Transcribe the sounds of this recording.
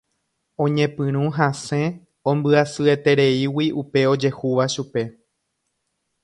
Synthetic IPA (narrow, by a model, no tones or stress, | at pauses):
õ̞ɲẽ̞pɨ̃ɾ̃ũɦãsẽ̞ | õmbɨasɨe̞t̪e̞ɾeiwiupe̞o̞d͡ʒe̞huʋaʃupe̞